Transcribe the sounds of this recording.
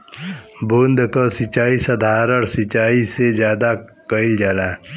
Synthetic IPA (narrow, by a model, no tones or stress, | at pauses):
bond̪kosɪt͡ʃaːisəd̪ʱaːɾəɽsɪt͡ʃaːised͡ʒjaːd̪akəɪld͡ʒaːlaː